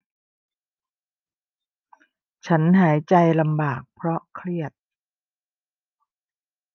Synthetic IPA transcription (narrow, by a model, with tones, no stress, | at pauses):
t͡ɕʰa˦˥nɦaː˩˦jt͡ɕa˧jla˧mbaː˨˩k̚pʰɾɔ˦˥kʰɾi˥˩ət̪̚